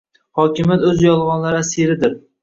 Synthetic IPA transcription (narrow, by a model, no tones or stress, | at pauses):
hɒkʲɪmjat̪ɵzjɒlˠʁɒnlaɾɪasiɾɪd̪ɪɾ